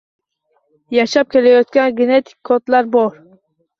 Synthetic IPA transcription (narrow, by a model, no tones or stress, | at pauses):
jaʃap̚kʲe̞lajɒt̪̚kʲanɡʲenet̪ʰi̥kʲʰːot̪laɾbɒɾ